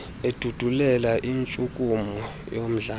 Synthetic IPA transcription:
ed̥ʱud̥ʱulɛlaʔint͡ʃʼukʼumɔ | jom̩ɮaː

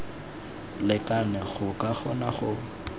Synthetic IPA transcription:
lɪkʼanɛχʊkʼaχɔnaχʊ

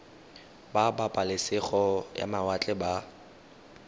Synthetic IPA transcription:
babapʼalɪsɪχɔja̰mawat͡ɬʼɛba

